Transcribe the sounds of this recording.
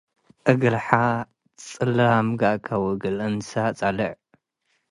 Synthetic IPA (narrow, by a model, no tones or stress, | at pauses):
ʔɨɡɨlħa | t͡sʼɨlamɡaʔkʰawɨɡɨlɨnsat͡sʼalɐʕ